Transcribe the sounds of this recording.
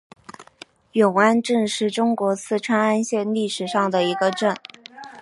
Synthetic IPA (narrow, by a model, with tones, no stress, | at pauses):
jʊ˨˩ŋa˥nʈ͡ʂə˥˧nʂɻ̩˥˩ʈ͡ʂʊ˥ŋkwɔ˧˥t͡sʰɹ̩˥˩ʈ͡ʂʰwa˥na˥nɕjɛ˥˧nli˥˩ʂɻ̩˨˩ʂɑ˥˩ŋd̪ə˩i˧˥ɡə˧ʈ͡ʂə˥˩n